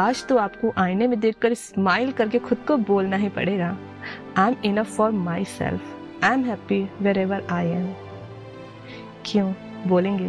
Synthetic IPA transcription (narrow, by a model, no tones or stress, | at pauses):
aːd͡ʒt̪oaːpkoʔaːɪnemẽd̪eːk̚ʰːɐɾɪsmaːɪlkɐɾkexʰʊd̪koboːlnaɦĩpɐ̰ɽeːɡaː | ãɪ̃mɪnɐfːɔɾmaːɪsɛ̰lf | ãɪ̃mɦɛːpiʋɛɾɛʋəɾaːɪɛ̃m | kʰjõː | boːlẽːŋɡeː